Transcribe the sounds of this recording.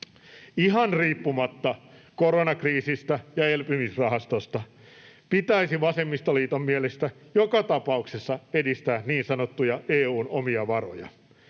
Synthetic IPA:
iɦɑnriːpːumɑt̪ːɑkoɾonɑkriːsist̪æjɑelpymisrɑɦɑst̪ost̪ɑ | pit̪æisiʋɑsemːist̪oliːt̪omːielest̪æjokɑt̪ɑpɑuksesːɑedist̪æːnniːnsɑnot̪ːujɑeːuːnomiɑʋɑro̰jɑ̰

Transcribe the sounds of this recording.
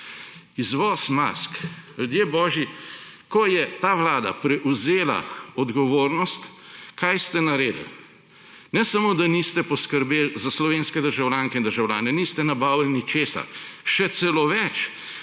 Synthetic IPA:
izʋɔːsma̰sklʲud̪jeːbɔːʒi | kɔjɛt̪aʋlaːd̪a̰pɾɛʔuzeːla̰ɔd̪ɡɔʋoːɾnɔst̪ | kajst̪ɛnaɾeːd̪ə̰l | nɛsamod̪anist̪ɛpɔskəɾbelzaslɔʋenskɛd̪əɾʒawlʲaːŋkɛind̪əɾʒawlʲa̰ːnɛnist̪ɛnabaːwlnit͡ʃeːsa̰ʃɛt̪sɛloʋɛt͡ʃ

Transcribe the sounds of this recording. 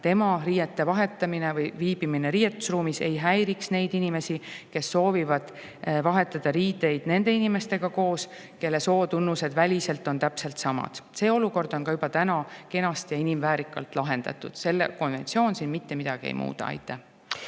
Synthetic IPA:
t̪e̞mɑriːjet̪ːe̞vɑɦe̞t̪ˑːɑmine̞vɯjviːb̥imine̞ɾiːjet̪ːˑu̥sruːmise̞jɦæjɾiksne̞jd̪inime̞sike̞sːo̞ːvivɑd̪̥ | vɑɦe̞t̪ːˑɑd̪̥ɑɾiːd̪e̞jd̪̥ne̞nd̪̥e̞inime̞st̪e̞ɡ̥ɑko̞ːs | ke̞lːe̞so̞ːt̪unːuse̞d̪̥vælʲise̞lt̪ːˑo̞nt̪æpse̞lt̪sɑmɑ̰d̪̥se̞ːo̞luko̞rd̪̥o̞nkɑjubɑt̪ænɑke̞nɑst̪jɑinimvæːɾikːˑɑlt̪ˑlɑɦe̞nd̪ɑ̰t̪ːˑud̪̥se̞lːeko̞nve̞nt̪sio̞ːnsinmit̪ːe̞mid̪̥ɑɡ̥iḛjmṵːd̪ɑ̰ɑ̰jt̪ːˑæh

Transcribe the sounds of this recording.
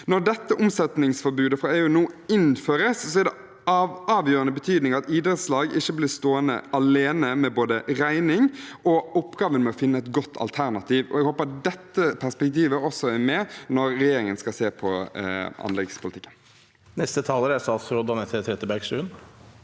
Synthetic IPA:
nɔɾɖɛt̪ːəʔʊmsɛt̪nɪŋsfɔɾbʉːd̪əfɾɑeːʉːnuːɪnføːɾəssɔɛɾɖ̪ɛ | ɑːʋjøːɾɑnəbət̪ʰyːd̪nɪŋɑt̪iːd̪ɾət̪slɑːɡɪçːəblɪɾst̪oːənə̰ʔɑleːnəmɛboːd̪əɾæɪnɪŋʔɔɔpːɡɑːʋənmɛɔfɪnːəɛt̪̚ɡɔt̪ʰːɑ̰lt̪ʰæɾnɑt̪ʰiːʋɔ̰ɛɡhoːpəd̪ɛt̪ːəpʰæspɛk̚t̪iːʋəɔsɔæɾmɛnɔɾːɛjeːɾɪŋənskɑseːɾpʰɔ | ɑ̰nlɛɡspʰʊlɪt̪ɪ̥kːən | nɛst̪ət̪ʰɑːləɾæsɑsɾɔd̪ɑnɛt̪ʰet̪ʰɾɛt̪əbæɾkʂʉːn

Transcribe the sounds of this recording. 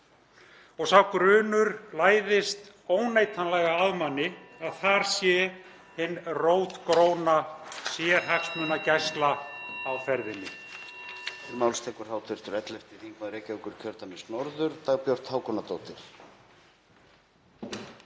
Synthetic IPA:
ɔɣsawkɾʏːnʏɾlaːjðɪst̪ | oːwnejt̪ʰanlɛɣaaðmanːɪaðθaɾ̥sjɛ | hɪnroːwt̪kɾoːwnasjɛɾ̥ɦaksmʏnacɛjst̪laːwfɛɾðɪnːɪ̰ | mawlst̪ʰɛːkʏɾ̥haːwt̪ʰʏɾ̥t̪ʏɾɛt̪lɛft̪ɪθiŋkmaðɾeːcaʏkʏɾ̥cʰœɾt̪amɪsnɔɾðʏɾ̥t̪aɣpjɔwr̥t̪haːwkʰɔnat̪owt̪ɪɾ̥

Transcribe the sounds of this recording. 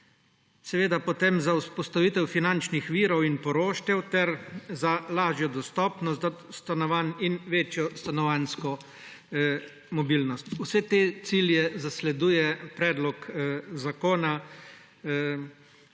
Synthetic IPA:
sɛʋeːd̪apɔt̪emzauspɔst̪aʋiːt̪ɛwfinant͡ʃnixʋiːɾɔwinpɔɾoːʃt̪jɛwt̪ɛɾzalaːʒjɔd̪ɔst̪ɔːpnɔst̪zast̪anɔʋaninʋeːt͡ʃjɔst̪anɔʋanskɔ | mɔbiːlnɔst̪usɛt̪eːt̪siljɛzaslɛd̪uːjɛpɾɛːd̪lɔkzakoːna

